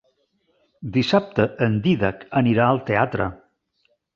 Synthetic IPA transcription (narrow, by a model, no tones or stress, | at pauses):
d̪isap̚t̪əənd̪iðakəniɾaəlˠt̪eat̪ɾə̰